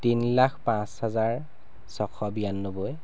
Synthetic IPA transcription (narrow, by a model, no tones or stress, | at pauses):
tinlakpãshazaɹ | sɔkʰɔbijanːoboj